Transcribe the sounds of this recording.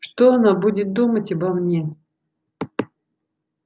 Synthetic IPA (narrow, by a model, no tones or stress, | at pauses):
ʂt̪oɐnabudʲɪt̪̚d̪umətʲɐbɐmnʲe